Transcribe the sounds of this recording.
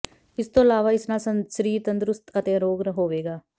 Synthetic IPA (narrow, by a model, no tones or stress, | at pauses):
ɪst̪õːɪlaːʋaːɪsnaːsəsɾiːɾt̪ənd̪ɾʊst̪ət̪eːɾoːɡɾəɦoːʋeːɡaː